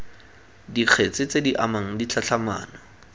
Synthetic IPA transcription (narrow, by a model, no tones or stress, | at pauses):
diq͡χʰet͡sɪt͡sediʔamaŋ̩dit͡ɬʰat͡ɬama̰ːnɔ